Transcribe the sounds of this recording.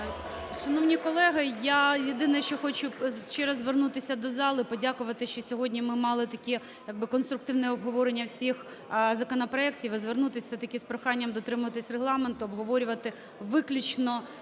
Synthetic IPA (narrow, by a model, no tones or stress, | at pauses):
ʃɐnɔwnʲikɔlˠɛɦɐjajed̪ɪnɛʃt͡ʃɔxɔt͡ʃʊʃt͡ʃɛɾɐzʋernut̪ɪsʲɐd̪ɔzɑlˠɪpɔdʲakʊʋɐt̪ɪʃt͡ʃɔsʲɔɦɔdʲnʲimɪmɑlˠɪt̪ɐkʲɛ | jɐɡ̚bɪkɔn̪st̪ɾʊk̚t̪ɪwnɛɔbɦɔʋɔɾenʲːɐwsʲix | zɐkɔnɐpɾɔɛktʲiʋzʋernut̪ɪsʲɐt̪ɐkʲɛspɾɔxɑnʲːɐmd̪ɔt̪ɾɪmʊʋɐt̪ɪsʲreɦlˠɑment̪ʊɐbɦɔʋɔɾʲʊʋɐt̪ɪ | ʋɪklʲʊt͡ʃnɔ